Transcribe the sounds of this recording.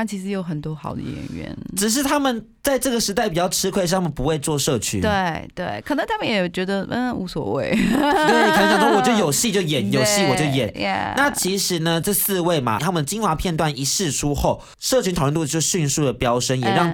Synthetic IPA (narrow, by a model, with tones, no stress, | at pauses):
a˥˩t͡ɕʰi˧˥ʂɻ̩˧jo˧˥ʊxə˨˩nt̪wɔ˥xɑ˨˩ʊd̪ə̰˦jɛ̰˨˥nɥɛ̰˧˦nʈ͡ʂɻ̩˨˩ʂ̬ɻ̩˥˩t̪ʰa˥mə˨n | t͡sa˥˧ɪʈ͡ʂɤ˥˩ɡə˩ʂɻ̩˧˥t̪a˥˩ɪpi˨˩t͡ɕjɑ˥˩ʊʈ͡ʂʰɻ̩˥kʰwe˥˧ɪʂ̬ɻ̩ʰ˥˩a˥mə˨npu˧˦xwe˥˧ɪt͡swɔ˥˧ʂɤ˥˩t͡ɕʰy̰˧˦we˥˩ɪtt̪we˥˩ɪkʰɤ˨˩nɤ˧˦ŋt̪ʰa˥mə˨njɛ˨˩˨t͡ɕɥɛ˧˥d̪ə˧˩ṵ˧˥swɔ̰˨˩wḛ˥˩ɪt̪we˥˩kə˩ə˧˥ŋt͡ɕjŋʂwɔ˥wɔ˨˩t͡ɕjo˥˩ʊjo˨˩ʊɕi˥˧t͡ɕjo˥˩ʊjɛ˨˩njo˨˩ʊɕi˥˨wɔ˨˩t͡ɕjo˥˩ʊjɛ˨˩˦nɛ̰na˥˨˩t͡ɕʰi˧˥ʂɻ̩˧˩nə˨ʈ͡ʂɤ˥˧sɹ̩˥˧we˥˩ɪma̰˩t̪ʰa˥mə˨nd̪ə˩t͡ɕi˥nwa˨˥˦pʰjɛ˥˧nt̪wa˥˩ni˧˥ʂɻ̩˥˩ʈ͡ʂʰu˥xo˥˩ʊ | ʂɤ˥˩t͡ɕʰy˥nt̪ʰə˥˧nt̪u˥˩t͡ɕjo˥˧ɕy˥˧nsu˥˩d̪ə˩pjɑ˥ʊʂə˥njɛ˨˩ɻɑ˥˩ŋ